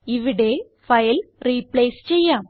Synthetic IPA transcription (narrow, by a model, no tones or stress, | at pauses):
iʋiɽe̞ | fɐjlriːpleːst͡ɕe̞jːaːm